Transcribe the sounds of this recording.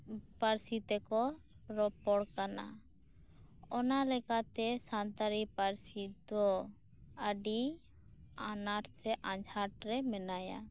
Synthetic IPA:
paɾsit̪ɛkɔ | ɾɔpɔɽkana̰ | ɔnalɛkat̪ɛsant̪aɾipaɾsid̪ɔ | əɖi | anaʈsɛʔãd͡ʒʱaʈɾɛmɛnaja̰

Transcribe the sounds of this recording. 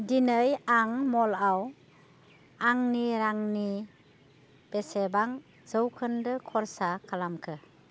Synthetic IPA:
dinəjaŋmɔlaw | aŋniɾaŋni | b̥esebaŋ | zəwkʰɯndɯkʰɔɾsakʰalamkʰɯ

